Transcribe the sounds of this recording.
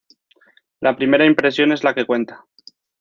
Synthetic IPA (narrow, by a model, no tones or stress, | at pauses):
lapɾime̞ɾaimpɾe̞sjo̞ne̞zlake̞kwe̞nt̪ḁ